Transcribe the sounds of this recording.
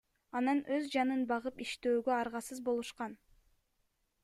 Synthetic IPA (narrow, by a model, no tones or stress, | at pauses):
ɑnɑnʔøzd͡ʒɑnɯnbɑʁɯpiʃt̪øːɡøɑɾʁɑsɯzbo̞lˠuʃqɑn